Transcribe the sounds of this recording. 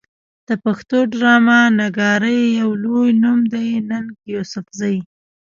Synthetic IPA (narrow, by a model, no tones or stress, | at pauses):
d̪̥əpaxt̪oɖɾɑmanaɡɑɾəjːawlojnumd̪ajnənkjosʊfzaj